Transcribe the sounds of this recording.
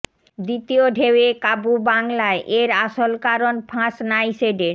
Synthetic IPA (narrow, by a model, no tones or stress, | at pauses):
d̪it̪ioɖʱewekabubaŋlaeʔeɾaʃolkaɾonfʰãʃnajseɖeɾ